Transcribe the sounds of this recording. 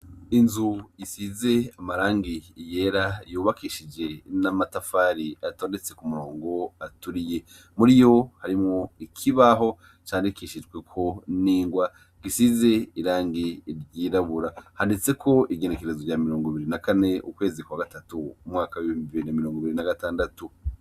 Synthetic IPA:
inzujisize̞amaɾaːŋɡije̞ɾajuːβakʰiʃid͡ʒe̞namatafaːɾiatoːnde̞t͡se̞kumuɾoːŋɡo̞atuɾije̞ | muɾijo̞haɾimŋo̞ikʰiβaɦo̞ | t͡ʃaːndikiʃid͡ʒɡwe̞kʰo̞niːŋɡwa | ɡ̥isize̞iɾaːŋɡiɾɟiːɾaβuɾahandit͡se̞kʰo̞iɡe̞neke̞ɾezovɟaːmiɾo̞ːŋɡoβiɾinakane̞ʔukwe̞ːzikwaɡatatuumŋaːkawiβimbiβiɾinamiɾoːŋɡoβiɾinaɡataːndatu

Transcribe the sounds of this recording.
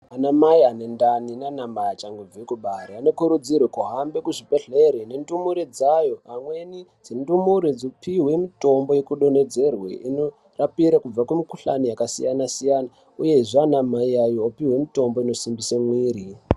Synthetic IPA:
anamaiane̞ndaninanamajat͡ʃaŋɡub͡vekuɓareano̞kuɾud͡zirwekuɦambe̞kuʐipeɮe̞ɾene̞ndumuɾed͡zajo̞ɦamwe̞nid͡zindumuɾed͡zopiwe̞mitombo̞jekuɗo̞ne̞d͡ze̞rwḛino | rapiɾakub͡vakwumikuɬanijakasḭjanasijana | uje̞ʐanamaiajoopiɦwe̞mito̞mbo̞ino̞simbisemwiːɾi

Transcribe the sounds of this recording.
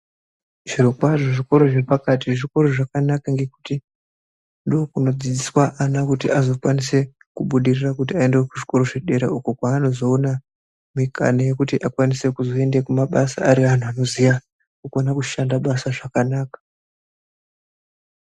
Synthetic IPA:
ʐ̥irokwaʐoʐiko̞ɾo̞ʐe̞pakatieʐiko̞ɾo̞ʐakanakaŋɡe̞ku̥ti | ndookuno̞d͡zid͡ziswaʔanakutiʔazo̞kwanise̞ | kuɓuɗirirakut̬iae̞ndewekuʐiko̞ɾo̞ʐe̞ɗe̞ɾḛuko̞kwaːno̞zo̞ːna | mikʰa̰naje̞kutiʔakwanise̞kuzo̞e̞nde̞kumaɓasa̰ːɾian̤uano̞zija | kukonakuʃandaɓasaʐakanaːkḁ

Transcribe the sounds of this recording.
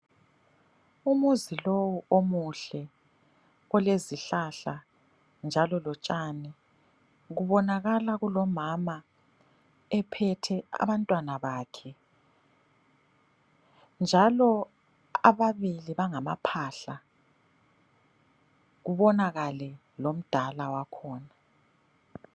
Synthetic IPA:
umuzilowuomuɬɛ | ɔleziɬaɬa | nd͡ʒʱalɔlɔt͡ʃʼanɛ | ɣuβɔnaɣalaɣulɔmama | ɛpʰɛtʰɛa̰βantʼwanaβaːkʰɛ | nd͡ʒʱalɔ | aβaβiliβaŋama̰pʰaːɬa | ɣuβɔnaɣalɛ | lom̩d̥ʱalawakʰɔːna

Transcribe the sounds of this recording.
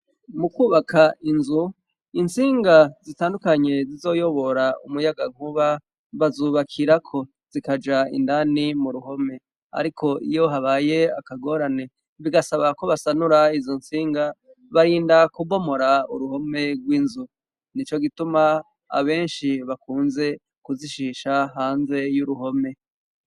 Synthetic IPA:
mukuːβakʰainzu | insiːŋɡazitaːndukaɲe̞zizo̞ːjo̞βo̞ɾaṵmujaɡaŋ̥huβa | βazuːβakʰiɾakʰo̞ | z̥ikad͡ʒaḭndanimuɾuɦo̞me̞ | a̰ɾikʰo̞ḭjo̞ɦaβaːjeakaɡo̞ːɾane̞ | βiɡasaβako̞βasanuɾaizonsiːŋɡa | βaɾiːndakubo̞mo̞ɾaṵɾuho̞me̞ɡwiːnzu | nit͡ʃo̞ɡituma | a̰βe̞ːnʃiβakuːnze̞ | kuziʃiʃaɦaːnze̞juɾuɦo̞me̞

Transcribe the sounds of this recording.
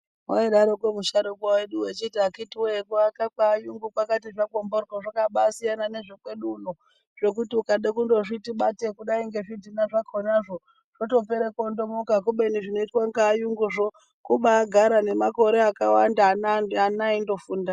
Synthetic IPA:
oeɗaɾokwemuʃaɾokwowe̞ɗuwet͡ʃitiakitiwekuakakaːjuŋɡukwakatiʐakomboroʐakaɓasijanane̞ʐekwe̞ɗuno | ʐ̥e̞k̬utiukaɗekundo̞ʐitiɓate̞kuɗaiŋɡe̞ʐidʱinaʐakʰonaʐo̞ | ʐ̥oto̞peɾekondo̞mokak̬uɓe̞niʐino̞itwaŋɡaːjuŋɡuʐo | kuɓaːɡʱaɾane̞mako̞ɾe̞akawandanaanaindo̞fuːnda

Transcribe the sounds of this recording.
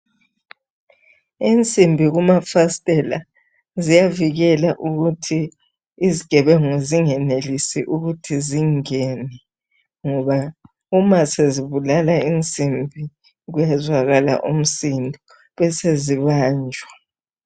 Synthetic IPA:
int͡sʼimbʱiɣumafastʼɛla̰ | zijaviɣɛlaʔuɣutʰiː | ziɡ̥ʱɛβɛŋeziŋɛnelisiʔuɣutʰiziŋɛnɛ | ŋɔβa | umaseziβulalaint͡sʼimbʱi | ɣujɛzwaɣala̰ʔum̩sindʱɔ | βɛseziβaːnd͡ʒʱwa

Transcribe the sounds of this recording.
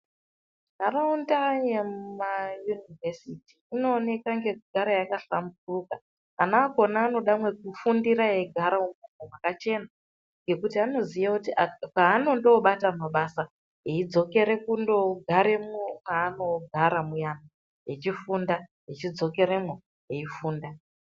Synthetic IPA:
karaundajemmajunivesitiːno̞ːne̞kaŋɡe̞kuɡʱaɾajakaɬamburukaː | naːɡʱo̞naːno̞ɗamwe̞kufundiɾajeɡʱaɾaumumowakat͡ʃe̞na | ŋɡe̞kutiano̞zijakutiapaːno̞ndo̞ɓatamaɓasa | ɦeid͡zo̞ke̞ɾe̞kundo̞ɡʱaɾe̞mokaːno̞ɡʱaɾamujana | je̞t͡ʃifunda | jet͡ʃid͡zo̞ke̞ɾemo | ɦeifuːnda

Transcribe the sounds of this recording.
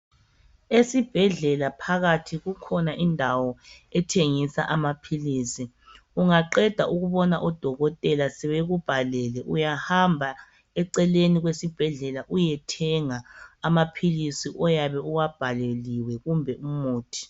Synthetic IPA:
esib̥ʱɛɮɛlapʰaɣatʰiɣukʰɔnaʔindʱawɔɛtʰeŋisa̰ʔamapʰiliːsi | uŋaǃɛd̥ʱaʔuɣuβɔnaʔɔd̥ʱɔɣɔtʼɛlasɛβeɣub̥ʱalɛlɛʔujahambʱa | ɛǀɛleniɣwesib̥ʱɛɮɛlaʔujɛtʰɛŋaːmapʰilisiʔɔjaβɛuwab̥ʱaleliwɛɣumbʱɛumuːtʰi̥

